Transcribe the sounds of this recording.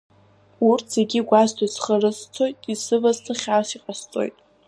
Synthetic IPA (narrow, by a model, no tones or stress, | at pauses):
urtʰz̥eɡʲiɡʷaztʰasχarɨst͡sʰo̞jtʼisɨvazt͡sʰaχʲasiqʼast͡sʼo̞̰jtʼ